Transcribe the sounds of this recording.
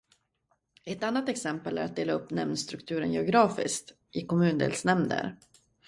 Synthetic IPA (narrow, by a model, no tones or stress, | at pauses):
ɛt̪anːat̪ɛksɛmpəlæ̰ɾat̪̚d̪eːlaɵpːnɛmnst̪ɾɵkt̪ʰʉ̟ːɾə̰njɛʊɡɾɑːfɪ̰skt̪ | ʔɪkʰɔmʉ̟ːnd̪ḛːlsnɛmd̪ə̰ɾ